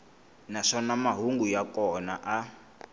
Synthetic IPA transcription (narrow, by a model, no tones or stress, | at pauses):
naʂɔnamaɦuŋɡujakɔnaʔa